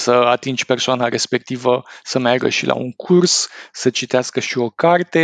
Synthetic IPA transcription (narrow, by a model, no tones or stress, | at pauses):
səat̪ind͡ʒʲpe̞rsoanaɾe̞spe̞k̚t̪ivəsəmearɡə̰ʃilʔa̰uŋkʰursːət͡ʃit̪easkəʃio̞kart̪e̞